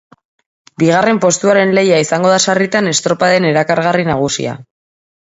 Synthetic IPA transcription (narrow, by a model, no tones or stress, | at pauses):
biɣ̞are̞mpo̞st̪uaɾe̞nle̞jaisaŋɡo̞ð̞asarit̪ane̞st̪ɾo̞paðe̞ne̞ɾakaɾɣarinaɣ̞usḭa̰